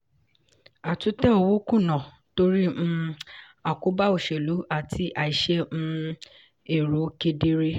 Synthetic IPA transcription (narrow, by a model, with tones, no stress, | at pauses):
a˨tu˨˦tɛ̃˦o˧wo˦kũ˦˨nã˨ | to˦ɾi˦m̩˦ | a˨ko˨˦ba˦o˦˨ʃe˨lu˨˦a˦˨tʰi˨˦ʔa˨i˨ʃɛ˦m̩̃˦ | e˨ɾo˨˦ke˧de˦ɾe˦